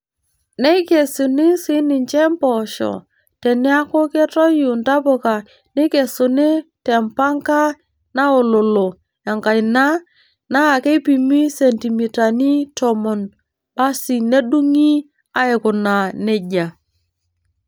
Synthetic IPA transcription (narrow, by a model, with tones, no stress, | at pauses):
ne˦i˦ke˨sʊ˨nɪ˦si˦nɪ˨ɲt͡ʃɛ˦mpɔ˨ʃɔ̰˨ | te˨nɪ˦a˦kʊ˦ke˦tɔ˦ju˨nta˦po˨ka˨ | nɪ˦ke˨sʊ˨nɪ˦tɛ˨mpa˦ŋka˦ | na˦o˨lo˨lo˨ | a˨ŋka˨ɪ˨na˦ | na˦˨ke˦pi˨mi˦se˨nti˨mi˨ta˨ni˦tɔ˨mɔ˨n | ba˦si˨ne˦du˦ŋi˦ | a˦ɪ˨kʊ˨na˨ne˦ɟa˨